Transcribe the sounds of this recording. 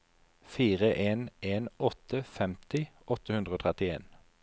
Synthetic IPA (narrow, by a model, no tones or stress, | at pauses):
fiːʁəʔeːneːnɔt̪ʰəfɛmt̪ɪʔɔt̪əhʉnd̪ʁəoːt̪ʰʁɛt̪ɪḛːn